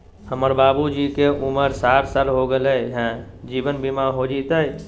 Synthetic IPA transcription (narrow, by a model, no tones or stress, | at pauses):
həməɾbabud͡ʒikeʔuməɾsaɾsalɦoɡeləɦɛ̃ | d͡ʒibənbimaɦod͡ʒit̪əj